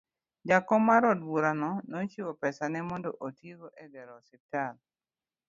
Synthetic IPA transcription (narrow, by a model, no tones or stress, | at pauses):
d͡ʒakɔmaɾɔdwuɾanɔnot͡ʃiwopɛsanɛmɔndɔʔotiɡoʔɛɡɛɾɔsip̚tal